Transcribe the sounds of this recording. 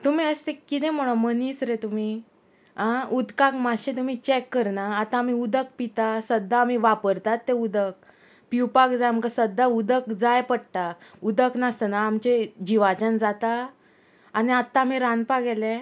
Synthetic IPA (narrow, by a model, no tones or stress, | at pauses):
t̪um̤iːəst̪ekːit̪ẽm̤əɽ̃oməniːsɾet̪um̤i | ɦãud̪kakmaɕẽt̪̬um̤iːt͡ɕɛkːəɾnaːt̪ãːm̤iud̪ək̚pit̪asəd̪ʱːaːm̤iʋapəɾt̪at̪ːeud̪ək̚ | piwpakd͡zajmkasəd̪ʱːaud̪əkd͡zajpəɽʈ̪aud̪əknast̪ənaːmt͡ɕed͡ʑiʋat͡ɕənd͡zat̪aː | ñiat̪ːaːm̤iɾanpaɡɛlẽ